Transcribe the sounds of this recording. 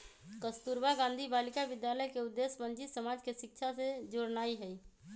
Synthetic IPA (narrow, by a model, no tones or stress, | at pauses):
kəst̪uːɾbaɡãːnd̪ʱibaːlɪkaʋɪd̪jaːləjkeʊd̪ːeːsmə̃nt͡ʃisəmaːd͡ʒkeʃɪkʃʰased͡ʒoɽnaːiɦɛi